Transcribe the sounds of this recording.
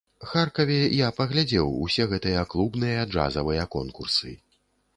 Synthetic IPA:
xarkɐvʲɛjapɐɣlʲad͡zʲɛwṵsʲɛɣɛt̪ɨjɐklˠubnɨjɐd͡ʐa̰zɐvɨjɐkɔnkursɨ̰

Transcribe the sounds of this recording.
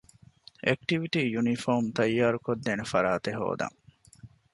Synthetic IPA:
ʔek̚ʈiʋiʈiːjunifoːmt̪ɐjːaːɾukod̪ːeːnefɐɾaːt̪eɦo̰ːd̪ɐ̰ŋ

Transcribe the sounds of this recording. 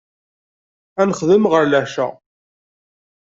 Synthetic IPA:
ænəχðəmʁəɾlæʃæ̰

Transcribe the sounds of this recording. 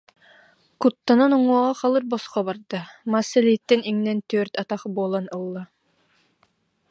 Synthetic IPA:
kut̪ːananɔŋuɔʁɑχalˠɯɾbɔsqɔbaɾd̪amaːsːɛlit̪ːɛniŋnɛnt̪œɾt̪at̪aχbuɔlˠanɯlˠːa

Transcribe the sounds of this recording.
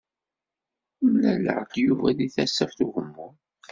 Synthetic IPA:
mlælə̰ʕd̪juvæðiθæsːæfθuʝəmːʊ

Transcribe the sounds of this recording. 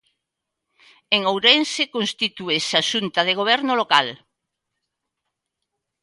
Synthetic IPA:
eŋowɾɛnsekõnst̪it̪uesaʃunt̪ɐð̞eɣ̞oβ̞ɛɾnolokal

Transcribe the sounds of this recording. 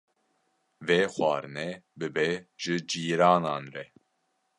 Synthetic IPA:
veːxwɑːɾnɛbɨbɛʒ̥ɨd͡ʒiːɾɑːnɑːnɾɛ

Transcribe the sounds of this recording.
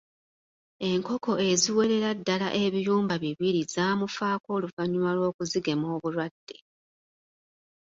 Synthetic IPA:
e̞ŋko̞ko̞e̞ziwe̞ɾe̞ɾadːala̰ʔe̞βijuːmbaβiβiɾizaːmufaːko̞ːluvaɲumalwo̞ːkuziɡe̞mo̞ːβuɾwadːe̞

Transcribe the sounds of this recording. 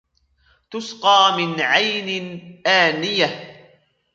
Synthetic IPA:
t̪ʊsqɑːmɪnʕajnɪnʔaːnɪjah

